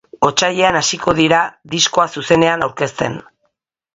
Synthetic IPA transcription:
o̞t͡ʃaʎe̞anasiko̞ð̞iɾaðisko̞asuse̞ne̞anawɾke̞st̪e̞̰n

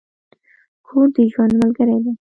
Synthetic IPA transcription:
kʰuɾd̪əʒwand̪malɡəɾed̪e

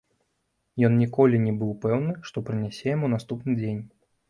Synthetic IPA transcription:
jɔnnʲikɔlʲinʲɛbɨwpɛwnɨʂt̪ɔpɾɨnʲasʲɛjamunast̪upnɨd͡zʲenʲ

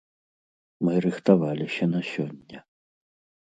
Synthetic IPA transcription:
mɨɾɨxt̪avalʲisʲɐnɐsʲɔnʲːɐ

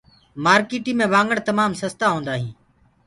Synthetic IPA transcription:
maːɾkiːʈiːmẽːʋãːŋɡəɳt̪əmaːmsəst̪aːɦõːnd̪aːɦĩː

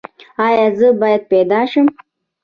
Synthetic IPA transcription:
ɑjɑzəbɑjad̪̚ped̪ɑʃəm

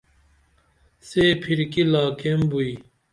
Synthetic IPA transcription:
seːpʰiɾkilaːkembui

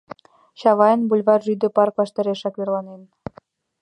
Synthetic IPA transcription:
ɕɑβɑjənbulʲβɑrʒyd̪ə̆pɑrklɑʃt̪ɤ̆ɾeʃɑkβerlɑnen

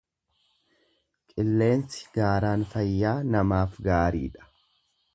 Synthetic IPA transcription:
kʼɪlːe̞ːnsɪ̥ɡ̥aːɾaːnfɐjːaːnɐmaːfɡaːɾḭːᶑɐ̥

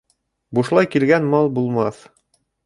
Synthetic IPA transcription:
buʃlˠɑjkilɡænmɑlˠbulˠmɑθ

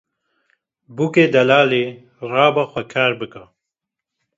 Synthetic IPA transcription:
bukeːd̪ɐlaːleː | rɑːbaxʷɐkʰaːɾbɨka

